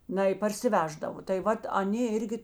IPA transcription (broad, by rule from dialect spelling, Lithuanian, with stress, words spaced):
ˈnɐɪ pɐrʲsʲɪˈʋʲæːʒdɐʋoː tɐɪ ˈʋɐt ɐˈnʲeː ˈɪrʲɡʲɪ